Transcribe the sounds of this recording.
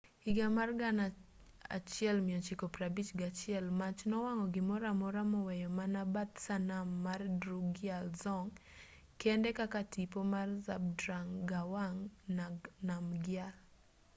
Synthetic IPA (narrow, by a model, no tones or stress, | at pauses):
iɡamarɡana | a̰t͡ʃɪɛlmɪɔt͡ʃɪkɔprabit͡ʃɡat͡ʃɪɛlmat͡ʃnɔwaŋɔɡɪmɔɾamɔɾamɔwɛjɔmanabat̪sanamːardɾuɡɪalzɔŋ | kendekakatipomarzab̚dɾaŋɡawaŋnanamɡɪal